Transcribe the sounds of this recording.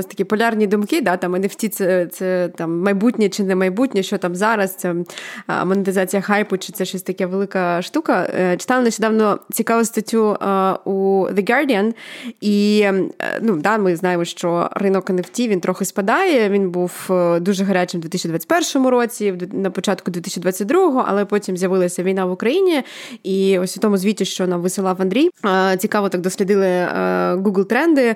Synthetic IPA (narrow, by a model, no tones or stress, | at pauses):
ɔsʲt̪ɐ̥kʲipɔlʲɑrnʲid̪ʊmkɪd̪at̪ɑmɐneftʲit̪sɛt̪sɛt̪ɑmːɐjbutʲnʲɛt͡ʃɪnɛmɐjbutʲnʲɛʃt͡ʃɔt̪ɑmzɑɾɐst̪sɛ | mɔnɪt̪ɪzɑt͡sʲijɐxɑjpʊt͡ʃɪ̥tsɛʃɔsʲt̪ɐkʲaʋelˠɪkɐʃt̪ukɐt͡ʃɪ̥t̪ɑlˠɐnɐʃʲt͡ʃɔd̪ɑʋnɔt͡sʲikɑʋɐst̪ɐtʲːuuðɨɡɑrdʲijɐni | nud̪amɪznɑjemɔʃt͡ʃɔrɪnɔkɐnewtʲiint̪ɾɔxɪspɐd̪ɑjɛʋʲinbuwd̪uʒɛɦɐɾʲat͡ʃɪmd̪ʋʲit̪sʲt͡ʃid̪at͡sʲːtʲpɛrʃɔmʊɾot͡sʲid̪nɐpɔt͡ʃat̪̚kʊd̪ʲʋʲit̪ɪsʲt͡ʃʲːid̪ʋat͡sʲːɐt̚ʲd̪ɾuɦɔɦɔʔɐ̰lˠɛpɔtʲimzʲjɐʋɪlˠɐsʲɐʋʲijnaʋʊkɾɐjinʲiiɔsʲʊt̪ɔmʊzʲʋʲitʲːʊʃt͡ʃɔʋɔnaʋɪsɪlˠɑʋɐnd̪ʲɾʲijt͡sʲikɑʋɔt̪ak̚d̪ɔsʲlʲɪd̪ɪlˠɪ̰ɡuɡlˠt̪ɾɛnd̪ɪ